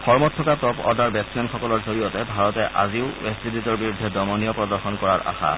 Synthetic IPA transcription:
pʰɔɹmɔtʰːɔkatɔpɔ̰daɹbɛksimɛnxɔkɔlɔɹzoɹijɔtɛbʱaɹɔtɛʔa̰ziʊwɛstidizɔɹbiɹudʱːɛdɔmɔniɔpɹɔdɔɹxɔnkɔɹaɹʔa̰xa̰

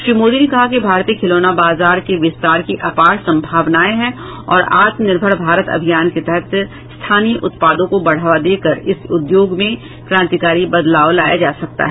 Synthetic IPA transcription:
ʃɾiːmoːd̪inekɐɦakibʱaːɾt̪ikʰɪloːnabaːzaːɾkeʋɪst̪aːɾkiʔɐpaːʈsɐ̃mbʱaːʋnaːeɦɛ̃ | ɔːɾa̰ːt̪nɪɾbʱəɽbʱaːɾət̪ɐ̰bʱijaːnket̪ɛɦɛt̪ | st̪ʰaːnijəʔʊt̪paːd̪õkobɐɽ̤aːʋad̪eːkəɾɪsʊd̪joːɡmẽ | kɾãːnt̪ikaːɾibɐd̪laːʋlaːjad͡ʒaːsɐk̚t̪a̰ɦɛː

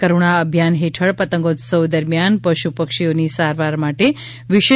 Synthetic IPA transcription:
kəɾuɳ̃aəbʱjanɦeʈʰəɭpət̪ə̃ŋɡot̪səwd̪əɾmjanpəʃupəkʃionisaɾʋaɾmaʈe | ʋiʃe

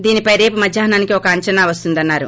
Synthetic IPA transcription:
d̪iːnipɐjɾe̞ːpumɐd͡ʒjaːnaːnikiɔkɐːɲt͡ʃɐnaːʋɐst̪und̪ɐnːaːɾṵ

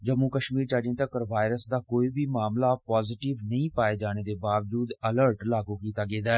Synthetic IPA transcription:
d͡ʒəmukəʃmiːɾt͡ʃaːd͡ʒẽːt̪əkəɾʋaːjɾəsd̪aːkoːibʱiːmaːmlapaːzɪʈɪʋnəĩːpaːeːd͡ʒaːɽ̃ed̪eːbaːʋd͡ʒuːd̪ələɾʈlaːɡuːkiːt̪aːɡeːd̪aːɛː

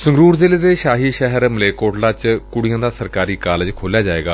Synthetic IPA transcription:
səŋɡɾuːɾzeːleːd̪eːʃaːɦiːʃɛɦɛɾməleːkoːʈlaːt͡ʃkʊɽɪjãːd̪aːsəɾkaːɾiːkaːleːd͡ʒkʰoːljaːd͡ʒaːḛːɡaː

